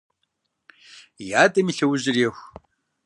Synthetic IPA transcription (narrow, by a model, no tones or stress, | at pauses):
jaːdɐmiɬɐwʑɪrjexʷ